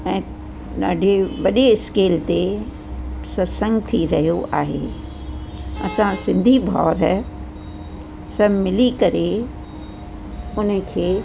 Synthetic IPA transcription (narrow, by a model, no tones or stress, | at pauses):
ɛ̃ː | ɗa̰ːɖʱeʋɐɗeɪskeːlt̪e | sɐɾsə̃ŋɡt̪ʰiɾɐɦijoʔaːɦḛː | ɐ̰sãsɪ̃nd̪ʱibʱɔ̰ːɾɦɛ | sɐbmɪlikɐɾe | ʊnkʰeː